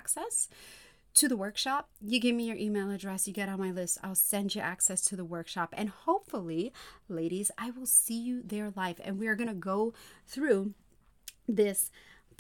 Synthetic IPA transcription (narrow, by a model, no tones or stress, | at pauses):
ksɛs | tʰɨðəwɜ˞kʃɑp̚jɨɡɪvmijə˞ʔimeɪlˠɨdɹɛsjɨɡɛɾn̩maɪlɪsta̰ɪlˠsɛ̃nd͡ʒə˞ʔæksɛstʰɨðəwɜ˞kʃɑpɨ̰̃nhoʊpfl̩ˠileɪɾizaɪwɪlˠsijɨðə˞laɪfɨ̰̃nwiə˞ɡʌñɨɡoʊθɹʉ | ðɪs